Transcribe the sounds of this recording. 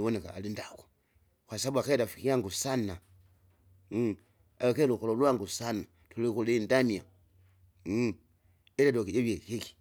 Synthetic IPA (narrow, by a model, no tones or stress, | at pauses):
woneka̰ːlindako̥ | xwasabuakedafikiaŋɡusana | aekeluxololwaŋɡusana | tulikulindania | eadokid͡ʒeβjekiki̥